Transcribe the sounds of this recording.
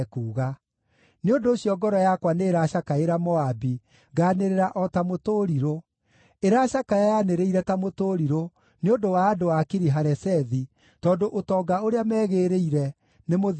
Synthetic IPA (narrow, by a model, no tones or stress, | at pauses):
kuːɣa | neondoːɕjɔɡɔɾɔjakwaneːɾaʃakaeɾamɔabi | ɡaːneɾeɾaʔɔtamotoɾiɾo | eɾaʃakajajaneɾeiɾɛtamotoɾiɾo | neondowaːdowakiɾiɦaɾɛsɛði | tɔːndoʔotɔːɡaoɾeamɛːɣeːɾeiɾɛ | nemo